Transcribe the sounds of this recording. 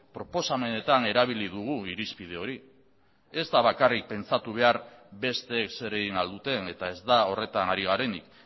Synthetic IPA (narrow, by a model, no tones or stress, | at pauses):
pɾo̞po̞same̞ne̞t̪ane̞ɾaβ̞iliðuɣ̞uiɾispið̞e̞o̞ɾi | e̞zd̪aβakarik̚pe̞nt͡sat̪uβ̞e̞aɾbe̞st̪e̞ːkse̞ɾe̞ɣinald̪ut̪e̞ne̞t̪ae̞zd̪ao̞re̞t̪anaɾiɣ̞aɾe̞nik